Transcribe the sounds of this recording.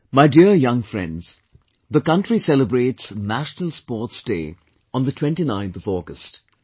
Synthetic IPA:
maɪdiəjʌ̃ŋfɹɛ̰̃ndz̥ | ðəkʌ̃ntɹisɛləbɹeːtsnæʃnəl̩ˠspɔːtsd̥eː | ə̃nðətʰw̥ɛ̃ntinãɪ̃nθʌvɔɡəst

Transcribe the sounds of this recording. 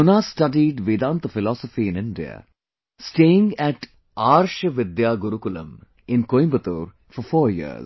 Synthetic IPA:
ʊnasʈɐɖiːɖʋiːd̪ãːnt̪əfɪlɔːsɔfiɪ̃nɪ̃ɳɖija̰ | sʈeːɪ̃ŋɡɛʈ | aːɾʃəʋɪd̪jaːɡʊɾukʊlɐ̰̃m | ɪ̃nkoːjmbət̪oːɾ | fɔɾfɔːɾjḭə̰z

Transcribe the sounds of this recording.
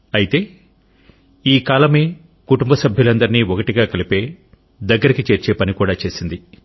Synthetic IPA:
ɐjit̪e̞ː | iːkaːlɐme̞ː | kuʈumbɐsɐbʱjulɐnd̪ɐɾiniːɔkɐʈiɡaːkɐlipe̞ː | d̪ɐɡːɐɾikit͡ʃe̞ːɾt͡ʃe̞ːpɐnikuːɽaːt͡ʃe̞ːsind̪i

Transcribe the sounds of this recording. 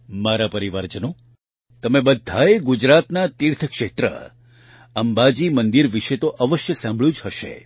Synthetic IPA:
maɾapəɾiʋaɾd͡ʒəno | t̪əmebəd̪ʱːaeɡud͡ʒɾat̪nat̪iɾt̪ʰəkʃet̪ɾə̰ | əmbad͡ʒimənd̪iɾʋiʃet̪oʔəʋəʃjəsãmbʱɭjũd͡ʒɦəʃḛ

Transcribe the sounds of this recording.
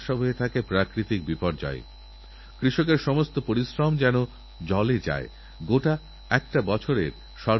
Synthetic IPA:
ʃabʱoɦet̪ʰakepɾakɾit̪ik̚bipɔɾd͡ʑa̰e | kɾiʃok̬eɾʃɔmost̪opoɾisɾɔmd͡ʑɛno | d͡ʑɔled͡ʑa̰e | ɡoʈa | ɛkʈabɔt͡ɕʰoɾeɾ | ʃɔ

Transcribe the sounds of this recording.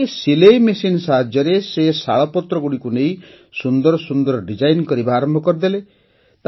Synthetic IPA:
silejmesinsaɦad͡ʒjɔɾesesaɭɔpɔt̪ɾɔɡuɽikunej | sund̪ɔɾɔsund̪ɔɾɔɖid͡ʒajnkɔɾibaːɾɔmbʱɔkɔɾd̪ele | t̪

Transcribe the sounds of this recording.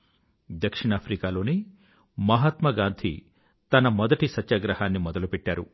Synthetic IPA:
d̪ɐkʂiɳaːpʰɾikaːlo̞ːneː | mɐɦɐt̪mɐɡaːnd̪ʰʱḭ | t̪ɐnɐmɔd̪ɐʈisɐtːaːɡɾɐhaːnːimɔd̪ɐlupɛʈːaːɾṵ

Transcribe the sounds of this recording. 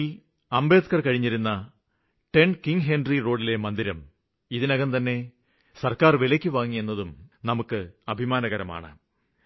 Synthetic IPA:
ɐmbe̞ːd̪kɐrkɐɻiɲːiɾunːɐ | ʈe̞ɳɖkiŋɡɦenɖriro̞ːɖile̞mɐnd̪iɾɐm | iðinɐɣɐnt̪ɐnːe̞ | sɐrkaːrʋilɐkʲːuʋaːŋːije̞nːɐðumnɐmukːɨɐbʱimaːnɐɣɐɾɐma̰ːɳɨ̰

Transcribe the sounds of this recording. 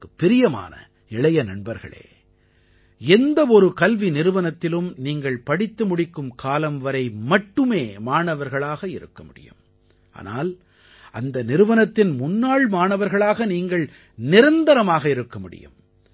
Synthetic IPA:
ɯpːɪɾɪjɐma̰ːnɐ̰ | ɪɭɐjɐnɐɳbɐɾɣɐ̰ɭḛː | ɛnd̪ɐɔɾɯkɐlʋinɪɾɯʋɐnɐt̪ːɪlɯmniːŋɡɐɭpɐɽɪt̪ːɯmʊɽɪkːɯmkʰaːlɐmʋɐɾɐɪmɐʈːɯmeːmaːɳɐʋɐɾɣɐɭaːɣɐɪɾɯ̰kːɐmʊɽɪ̰jɯ̰m | ʔa̰ːna̰ːl | ʔɐnd̪ɐnɪɾɯʋɐnɐt̪ːɪnmʊnːaːɭmaːɳɐʋɐɾɣɐɭaːɣɐniːŋɡɐɭ | nɪɾɐnd̪ɐɾɐmaːɣɐɪɾɯkːɐmʊɽɪ̰jɯ̰m

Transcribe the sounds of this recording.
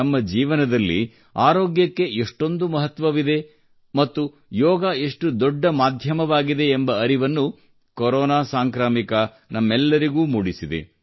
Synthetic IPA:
ɐmːɐd͡ʒiːʋɐnɐd̪ɐlːḭ | aːɾoːɡjɐkːe̞ʔeʂʈo̞nd̪umɐɦɐt̪ʋɐʋid̪e̞ | mɐt̪ːu | jɔːɡaeʂʈud̪ɔɖːɐmaːd̪ʱjɐmɐʋaːɡid̪e̞ːmbɐɐɾiʋɐnːu | kɔɾɔːnaːsaːŋkɾaːmikɐ | nɐmːɛlːɐɾiɡuːmuːɽisid̪ḛ

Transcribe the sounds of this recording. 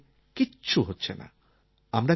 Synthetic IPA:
kitːɕʰuɦotːɕʰena̰ | amɾa

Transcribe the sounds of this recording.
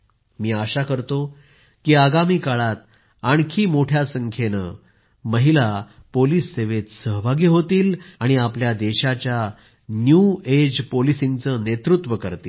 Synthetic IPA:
miːaɕakəɾt̪o | kiːaɡamiːkaɭat̪ | aɳ̃kʰiːmoʈʰjasəŋkʰenə̰ | məɦila | poliːsːeʋet̪səɦbʱaɡjeɦot̪iːlaɽ̃iapljad̪eɕat͡ɕja | njued͡ʑpolisiŋɡt͡sənet̪ɾut̪ʋəkəɾt̪iː

